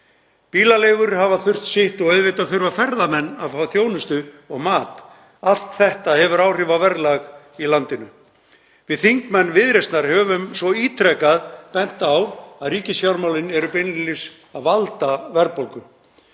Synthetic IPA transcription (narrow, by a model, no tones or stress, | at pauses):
piːlalejvʏɾhavaθʏr̥t̪sɪht̪ɔɣœɥðvɪt̪aðθʏɾvafɛɾðamɛnːḁfaːwθjoːwnʏst̪ʏ | ɔɣmaːt̪ | al̥t̪θɛht̪ahɛvʏɾaːwr̥ɪːvavɛɾlaɣ | ilant̪ɪnʏ | vɪðθiŋkmɛnːvɪðɾɛst̪naɾ̥hɛvʏmsvɔiːt̪ʰɾɛkaðpɛn̥t̪awaðɾiːcɪsçawɾmawlɪnɛɾʏpɪnɪlɪs | aðvalt̪avɛɾpolkʏ